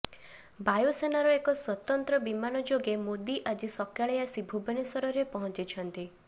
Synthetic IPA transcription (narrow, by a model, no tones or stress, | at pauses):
bajosenaɾɔekɔswɔt̪ɔnt̪ɾɔbimanɔd͡ʒoɡemod̪iʔad͡ʒisɔkʰjaɭejasibʱubenesɔɾɔɾepɔɦɔ̃nt͡ʃit͡ʃʰɔnt̪i